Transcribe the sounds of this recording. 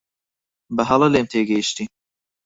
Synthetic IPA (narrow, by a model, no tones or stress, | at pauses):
bəɦɑlˠɐlemt̪ʰeːɡɛiʃt̪i